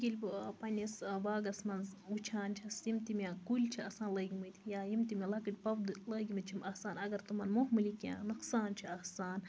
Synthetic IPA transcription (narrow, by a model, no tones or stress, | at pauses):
ɡʲilʲbpɐnʲisbaːɡɐsmɐnut͡ʃʰaːnt͡ʃʰɐsjimt̪imʲakulʲt͡ʃʰiɐsaːnlɐɡʲimɨt̪ʰʲjaːjimt̪imʲilɐkɨlʲpɐwd̪ɨlɐːɡʲimɨt͡ʃʰimɐsaːnɐɡɐɾt̪umɐnmoɦmɨlikjã̰ːnɐqsaːnt͡ʃʰiɐhsaːn